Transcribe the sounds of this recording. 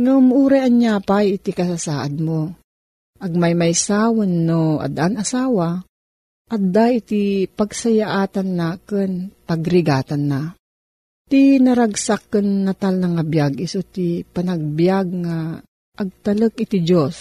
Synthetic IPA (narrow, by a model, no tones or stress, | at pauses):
ŋamuːɾɛʔaɲjaːpajɪt̪ikɐsasaːʔad̪̚mo | ʔɐɡ̚majmajsaːwanːoa̰d̪aʔanɐsaːwa | ʔɐd̪ait̪ipaɡsajaʔaːt̪anːaːkɪnpɐɡɾɪɡaːt̪anːa | t̪inɐɾaɡsakːənːɐt̪alnɐŋabjaɡʔisot̪ipɐnaɡ̚bjaɡ̚ŋa | ʔːɡ̚t̪ɐlək̚ɪt̪id͡ʒos